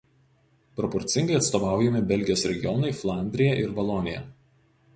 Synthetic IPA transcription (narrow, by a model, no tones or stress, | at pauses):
pɾɔpɔɾʲt̪sʲɪŋɡɐɪɐt̪st̪ɔːʋɑˑʊjɛmʲɪbʲɛlʲɡʲɪjoːsɾʲɛɡʲɪjɔnɐɪflˠɑˑnʲd̪ʲɾʲɪjɛʔɪɾbɐlˠɔnʲɪjɛ̰